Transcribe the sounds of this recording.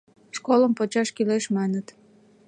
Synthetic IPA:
ʃkoləmpot͡ɕɑʃkileʃmɑnət̪

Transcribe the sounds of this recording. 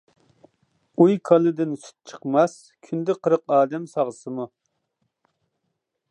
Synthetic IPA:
ujkʰɑlˠɨd̪ɪnsy̥t̪̚t͡ʃʰə̥qmɛs | kʲʰynd̪ɪqʰəɾəqɑːd̪ɛmsɑʁsɨmu

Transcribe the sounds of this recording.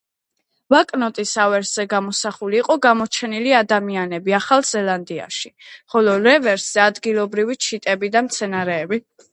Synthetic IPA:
vakʼnɔt̪ʼisavɛɾszɛɡamɔsaχuliːqʼɔɡamɔt͡ʃʰɛniliad̪amianɛbiaχalˠz̥ɛlˠand̪ia̰ʃiχɔlɔɾɛvɛɾsz̥ɛad̪ɡilˠɔbɾivit͡ʃʰit̪ʼɛbid̪amt̪sʰɛnaɾɛːbi

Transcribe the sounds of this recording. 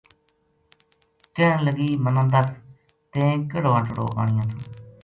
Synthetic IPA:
kəələɡiːmənãːd̪əs | t̪ẽːkəɽoːãːʈəɽo̰ːʔa̰ːɳ̃ɪjãːt̪ʰõː

